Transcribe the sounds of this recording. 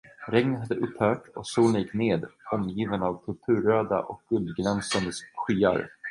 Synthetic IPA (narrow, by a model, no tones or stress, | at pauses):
ɾɛŋnəɦad̪ːəʔɵphœːʈɔksuːljɪkːneːd̪ɔmjiːvənavt̪ʰɵlt̪ʰʉ̟ːɾøːd̪a̰ʔɔk̚ɡ̥ɵld̪ɡlɛnsand̪əsɧiːa̰ɾ